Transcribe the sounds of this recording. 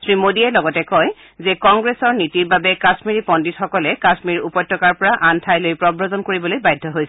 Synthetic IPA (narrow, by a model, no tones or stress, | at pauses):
sʰɹimodiɛlɔɡɔtɛkɔj | zɛkɔŋɡɹesɔɹnitiɹbabɛkasmiɹipɔnditxɔkɔlɛkasmiɹupɔjtːɔkaɹpɔɹaʔantʰajlojpɹɔbɹɔzɔnkoɹibɔlojbajdʱːɔɦojsɛ